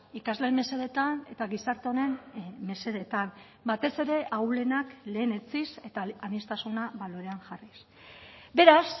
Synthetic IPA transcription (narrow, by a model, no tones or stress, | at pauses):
ikazle̞mːe̞se̞ɾe̞t̪ane̞t̪aɣisaɾt̪eone̞nme̞se̞ɾe̞t̪am | bat̪e̞se̞ɾe̞ʔawle̞nakle̞ːne̞t͡sise̞t̪aanist̪asunaβalo̞ɾe̞aŋʝaris | be̞ɾas